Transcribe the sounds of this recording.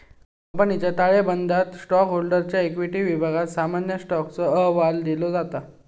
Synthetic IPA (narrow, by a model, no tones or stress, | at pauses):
kəmpənit͡ɕjat̪aɭebənd̪ʱat̪sʈɔkɦolɖəɾt͡ɕjaekʋiʈiːʋibʱaɡat̪samanjəsʈɔkt͡səəɦʋald̪ilod͡zat̪a